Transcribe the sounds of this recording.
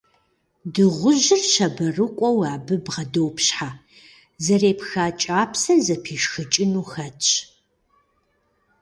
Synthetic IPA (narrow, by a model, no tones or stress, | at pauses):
dɨʁʷʊʑɪrʃɐbɐrɨkʷʼɔwaːbɨbʁɐdowpʰɕħaː | zɐreːpxaːt͡ʃʼaːpʰsɐzɐpʰiːʃxɨt͡ʃʼɪnuːxɐt͡ʃʼ